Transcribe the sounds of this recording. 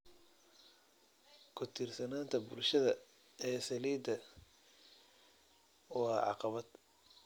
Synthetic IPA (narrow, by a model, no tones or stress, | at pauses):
kʰʊt̪ʰiːrsɐnaːnt̪ʰɐbʊlʃɐðɐ | ɛːsɐliːd̪ɐ | wɑːʕɑ̰qɑβɐd̪̥